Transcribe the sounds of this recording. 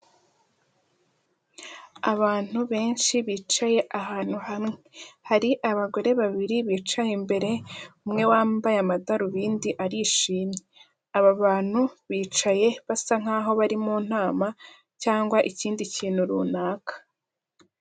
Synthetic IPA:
aβaːn̥uβe̞ːnʃiβiːt͡ʃaje̞ʔaɦaːn̥huhamŋehaɾiʔaβaɡo̞ɾe̞βaβiɾiβiːt͡ʃajimbe̞ɾe̞umŋe̞waːmbajamadaɾuβiːndiʔaɾiːʃiːmɲe | aβaβaːn̥huβiːt͡ʃaje̞βasaŋ̥aːɦo̞βaɾimuːn̥aːma | caːŋɡwaʔiciːndiciːn̥huɾuːnaːkḁ

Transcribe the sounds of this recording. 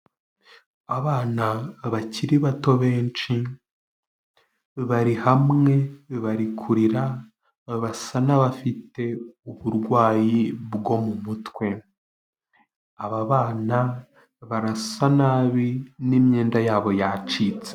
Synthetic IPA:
aβaːnaβaciɾiβato̞βe̞ːnt͡ʃi | βaɾihamŋe̞βaɾikʰuɾiɾa | βasanaβafite̞uβuɾɡwaːjibɡo̞mumutwe̞ | aβaβaːna | βaɾasanaːβinimɲe̞ːndajaːβo̞jat͡ʃiːt͡se̥

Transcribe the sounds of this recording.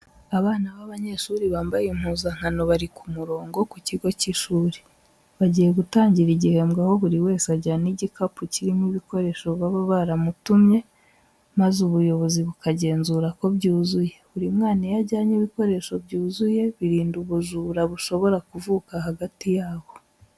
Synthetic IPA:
aβaːnaβaβaɲe̞ʃuːɾiβaːmbajim̥huːzaŋ̥hano̞βaɾikumuɾo̞ːŋɡo̞kuciɡo̞ciʃuːɾi̥ | βaɟije̞ɡutaːɲɟiɾiɟihe̞ːmɡaho̞βuɾiwe̞ːsaɟaniɟikʰapuciɾimiβiko̞ɾe̞ʃo̞βwaβaβaɾamutumɲe̞ | mazuβujo̞βo̞ziβukaɟe̞ːnzuːɾako̞bɟuːzuje̞βuɾimŋaːnajaɟaːɲiβiko̞ɾe̞ʃo̞bɟuːzuje̞βiɾiːnduβuʒuːɾaβuʃo̞βo̞ɾakuvuːkaɦaɡatijaːβo̞

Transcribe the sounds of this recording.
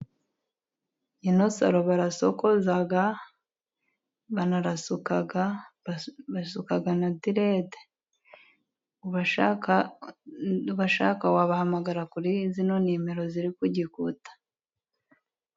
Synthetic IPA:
inosa̰ɾoβaɾasokozaɡa | βanaɾasukaɡa | βasukaɡanadiɾede̥ | β | βaʃa̰kawaβahamaɡaɾakuɾizinonemeɾo̞ziɾikuɟikutḁ

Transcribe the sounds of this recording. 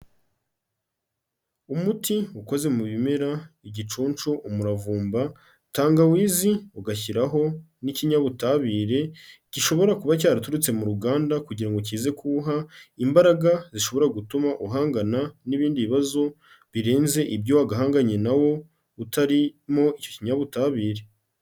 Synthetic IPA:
umutiuko̞ze̞muβimeɾaiɟit͡ʃuːnt͡ʃuʔumuɾavuːmba | taːŋɡawiːziuɡaçiɾaɦo̞ | niciɲaβutaβiːɾe̞ciʃo̞βo̞ɾakuβac̬aːɾatuɾut͡se̞muɾuɡaːndakuɟiɾaŋɡoc̬iːze̞kʰuːɦaimbaɾaɡaziʃo̞βo̞ɾaɡutumaʔuɦaːŋɡananiβiːndiβiβazo̞ | βiɾe̞ːnze̞ʔibjowaɡaɦaːŋɡaɲe̞nawo̞ | utaɾimo̞icociɲaβutaβiːɾe̞

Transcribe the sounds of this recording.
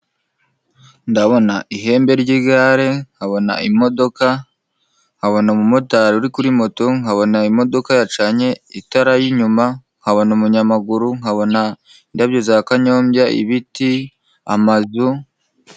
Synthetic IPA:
ndaβo̞naʔiɦe̞ːmbe̞ɾɟiɡaɾe̞ŋ̥haβo̞na̰ʔimo̞do̞ka | ŋ̥haβo̞namumo̞taɾuɾikuɾimo̞to̞ŋhaβo̞naimo̞do̞kajat͡ʃaɲe̞itaɾajiɲuma | ŋ̥haβo̞nomuɲamaɡuɾuŋhaβo̞na | indabɟozakaɲo̞ːmbjaʔḭβiti | a̰mazu

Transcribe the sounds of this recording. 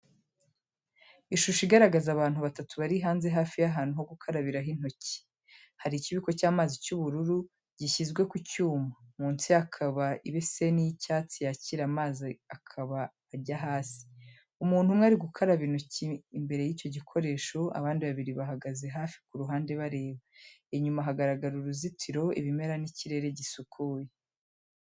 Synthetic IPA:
iʃuʃiɡaɾaɡazaβaːnhuβatatuβaɾiɦaːnze̞ɦaːfijaɦaːn̥uɦo̞ɡukʰaɾaβiɾaɦin̥ho̞ci̥ | haɾiciβiko̞caːmaːzicuβuɾuɾu | ɟ̥iʃizɡwe̞kucuːmamuːnsiakʰaβaiβese̞nijicaːt͡sijaciɾamaːziakʰaβaː | ɾɟaɦaːsi̥ | umuːn̥humŋaːɾiɡukʰaɾaβinuciimbe̞ɾe̞jiːco̞ɟikʰo̞ɾe̞ːʃo̞a̰βaːndiβaβiɾiβaɦaɡaze̞ɦaːfi̥kuɾuɦaːnde̞βaɾe̞ːβaeɲumaɦaɡaɾaɡaɾuɾuzitʰiɾo̞ḭβime̞ɾaniciɾe̞ɾe̞ɟisukʰuːje

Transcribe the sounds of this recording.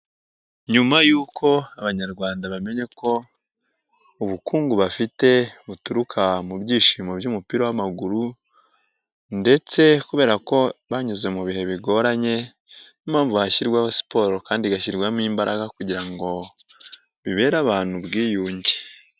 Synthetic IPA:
ɲumajuːkʰo̞aβaɲaɾɡwaːndaβame̞ɲe̞ko̞ | uβukuːŋɡuβafite̞βutuɾukʰamubɟiːʃiːmobjuːmupiɾowamaɡuɾu | nde̞t͡se̞kuβe̞ːɾako̞βaɲuze̞muβihe̞βiɡo̞ɾaɲe̞ | nimaːɱvuhaçiɾɡwaβasi̥po̞ːɾokaːndiɡaʃiɾɡwamiːmbaɾʔaɡakuɟiɾaŋɡo̞ | βiβe̞ːɾaβaːn̥hubɡiːjuːɲɟe

